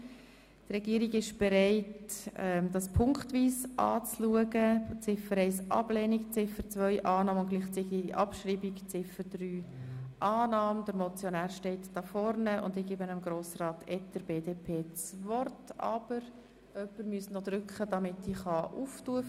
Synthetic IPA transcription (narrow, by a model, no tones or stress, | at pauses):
trɛɡiəɾiɡɪʃb̥ɛɾɛɪtɛmd̥ɑspʰʊŋkχtʋiːsʔɑ̰ːt͡sluəɡət͡sɪfəɾɛɪsʔɑ̰blɛːnikt͡sɪfət͡svœʏʔɑːnɑːməʊnɡ̥liːχt͡siɡiʔɑpʃriːbikt͡sɪfəd̥ryːʔɑːnɑːməd̥əɾmɔt͡sjɔnæːɾʃtɛɪtd̥ɑfɔɾnəʊ̰ndɪɡeːbənəmɡɾoːsrɑːtɛt̚d̥əɾbeːdeːpʰeːt͡svɔrtɑ̰b̥əɾ | œpːəɾmyəsnɔd̥̪ɾʏkχəd̥ɑmɪtdiːχɑʔuftuːə